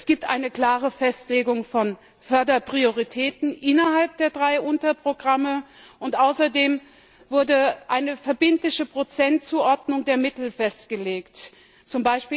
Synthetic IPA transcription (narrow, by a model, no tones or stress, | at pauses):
sɡ̥iːp̚tʔa̰ɪnəkl̥aːʁ̞əfɛstleːɡʊŋfɔn | fœɐdɐpʁ̥ioʁitʰɛːtn̩ʔɪnɐɦalp̚d̥eːɐdʁaɪʔʊntɐpʁ̥oɡʁaməʔʊntʔaʊsɐdeːm | vʊɐdəʔaɪnəfɛɐbɪntlɪçəpʁ̥ot͡sɛntt͡suːʔɔɐdnʊŋdeːɐmɪtl̩fɛstɡ̥əleːkt | t͡sʊmbaɪʃpiː